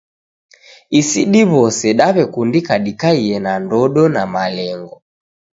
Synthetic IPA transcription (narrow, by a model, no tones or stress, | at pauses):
isiɗiβɔsɛɗaβɛkundikaɗikaiɛnandɔɗɔnamalɛŋɡɔ